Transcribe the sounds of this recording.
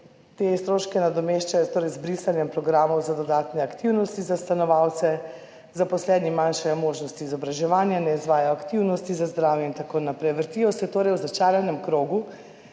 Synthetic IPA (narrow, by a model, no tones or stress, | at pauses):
t̪est̪ɾoːʃkɛnad̪ɔmeʃt͡ʃajɔt̪oːɾɛjzbɾisanjɛmpɾɔɡɾaːmɔwzad̪ɔd̪aːt̪nɛakt̪iwnɔst̪izast̪anɔʋawt̪sɛ | zapɔslɛːd̪nimanʃɛjmoːʒnɔst̪iːzɔbɾaʒɛʋaːnjanɛizʋaːjajɔakt̪iwnɔst̪izazd̪ɾaːwjɛint̪akonapɾɛjʋəɾt̪ijɔsɛt̪oːɾɛjwzat͡ʃaːɾjanɛmkɾoːɡu